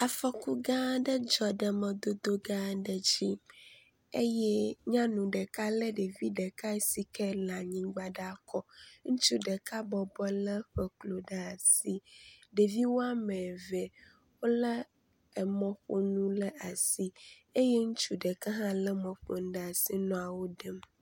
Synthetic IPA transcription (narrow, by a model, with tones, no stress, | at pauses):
a˨fɔ˨ku˦ɡã˦ɖə˦d͡ʒɔ˨ɖə˨mɛ̃˨d̪o˦d̪o˦ɡã˦ɖə˨d͡ʑi˦ | e˦jɛ˦ɲã˦nũ˨ɖə˨ka˦lə˦ɖe˨vi˦ɖə˨ka˦˨si˨kɛ˦la˨ɲĩ˦ɡ͡ba˦ɖa˦˨kɔ˦ŋũ˦t͡ʃu˦ɖə˨ka˦bɔ˨bɔ˦lə˦ɸə˨klo˨ɖa˦a˨si˦ɖe˨vi˦wo˦a˦mɛ˨vɛ˨ | wo˦lə˦ | ɛ˨mɔ̃˦ɸo˦nũ˦lə˦a˨si˦ | e˦jɛ˦ŋũ˦t͡ʃu˦ɖə˨kə˦ɦã˦lə˦mɔ̃˨ɸo˨ŋ˦ɖə˦˨a˨si˦nɔ̃˨a˨wo˦ɖə˦m